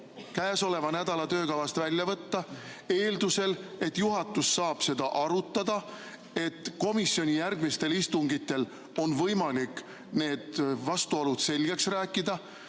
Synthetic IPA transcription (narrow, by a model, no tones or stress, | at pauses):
kæːso̞le̞vɑnæd̪̥ɑlɑt̪ø̞ːkɑvɑst̪vælʲjɑvɤt̪ːɑ | e̞ːld̪use̞le̞t̪juɦɑt̪ːˑusːɑːb̥se̞d̪̥ɑʔɑɾut̪ːɑd̪̥ɑ | e̞t̪ːko̞misio̞nʲijærɡ̥mist̪e̞list̪uŋɡ̥it̪ːˑe̞l | o̞nvɤjmɑlikː | ne̞ːd̪̥vɑst̪uolud̪̥se̞lɡ̥e̞ksræːkːˑid̪̥ɑ